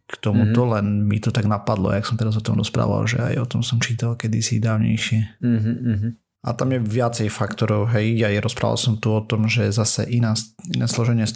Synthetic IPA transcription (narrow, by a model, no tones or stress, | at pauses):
kt̪ɔmut̪ɔlɛnmit̪ɔt̪aɡnapad̪lɔ̰jaksɔmt̪ɛɾazɔt̪ɔmɾɔspɾa̰ːʋa̰lʒɛ̰a̰jɔt̪ɔmsɔmt͡ʃiːt̪alkɛd̪isḭd̪aːʊɲɛ̰jʃɪɛ | ɦ | ʔat̪amjɛʋɪat͡sɛjfakt̪ɔɾɔʊɦɛjajɾɔspɾa̰ːʋa̰lsɔmt̪uɔt̪ɔmʒɛzasɛ̰ʔinainɛslɔʒɛɲɪɛ